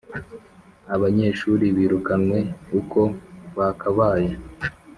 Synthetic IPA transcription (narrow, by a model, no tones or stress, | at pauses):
aβaɲe̞ːʃuːɾiβiːɾukanwe̞uko̞βakʰaβaːja